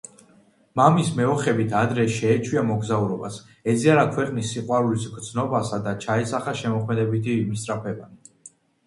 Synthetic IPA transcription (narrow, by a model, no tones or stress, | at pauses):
mamismɛɔχɛbit̪ʰad̪ɾɛʃɛːt͡ʃʰwiamɔɡzauɾɔba̰s | ɛd̪ziaɾakʰwɛqʼnisːiqʼwaɾulisɡɾd̪sʰnɔbasad̪at͡ʃʰaɛsaχaʃɛmɔχʰmɛd̪ɛbit̪ʰimst̪ʼɾapʰɛban